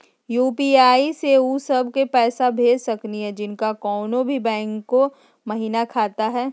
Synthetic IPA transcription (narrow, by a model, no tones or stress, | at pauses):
juːpiːaːiseusɐbʱkepɛːsabʱeːd͡ʒsɐkniɦɛd͡ʒɪnkakɔːnõbʱibɛ̃ːŋkːo | mɐɦiːnakʰaːt̪aɦɛː